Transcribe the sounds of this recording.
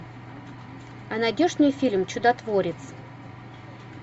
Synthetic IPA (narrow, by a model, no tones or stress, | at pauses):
ɐnɐdʲoʐnʲɨjfʲilʲmt͡ɕʊd̪ɐt̪voɾʲɪt̪s